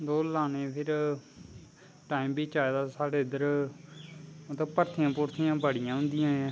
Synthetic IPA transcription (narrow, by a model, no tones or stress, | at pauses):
d̪oːlaːneːpʰɪɾ | ʈaːiːmbiːt͡ʃaːeːd̪aːsaːɽeːɪd̪əɾ | t̪eːpəɾt̪ʰɪjãːpʊɾt̪ʰijãːbəɽɪjãːɦʊ̃nd̪ɪjãːẽ